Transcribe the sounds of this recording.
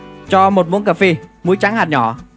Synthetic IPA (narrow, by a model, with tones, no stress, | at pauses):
t͡ɕɔ˧mo˨˩t̚mu˨˦nkaː˨˩fi˧mu˨˦jt͡ɕa˨˦ŋhaː˨˩ɲɔ̰˧˨